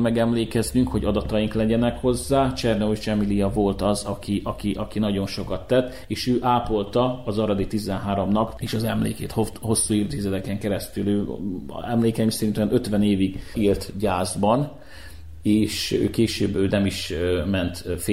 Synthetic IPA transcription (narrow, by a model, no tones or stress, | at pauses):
mɛɡɛmleːkɛznyŋkho̞ɟɒd̪ɒt̪ɒjiŋklɛɟɛnɛkho̞zːaːt͡ʃɛrnouʃt͡ʃɛmilijɒvo̞lt̪ɒzɒkiʔɒkiʔɒkinɒɟo̞nʃo̞kɒt̪ːɛt̪ːeːʃøːʔaːpo̞lt̪ɒːzɒɾɒd̪it̪izɛnɦaːɾomnɒkeːʃɒzɛmlḛːkḛːt̪hoho̞sːuird̪iːzɛt̪ɛkɛŋkɛɾɛst̪ylø̰ːɛmleːkɛimsɛɾint̪yɛnøt̪ʋɛneːviɡilt̪ɟaːzbɒn | eːʃø̰ːkeːʃø̰ːbøːnɛmiʃmɛnt̪f